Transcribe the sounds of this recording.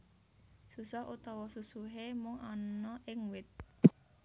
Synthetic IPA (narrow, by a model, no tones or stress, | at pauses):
susɔɦʔut̪ɔwɔsusuɦemʊŋʔɔnɔʔɪŋwɪt̪̚